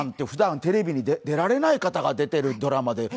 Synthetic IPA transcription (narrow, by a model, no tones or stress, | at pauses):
nt̪ːeɯ̟ɸɯ̟d̪ãnt̪e̞ɾe̞bʲiɲ̟id̪ed̪e̞ɾaɾe̞naikat̪aɡad̪e̞t̪e̞ɾɯ̟d̪o̞ɾamad̪e̞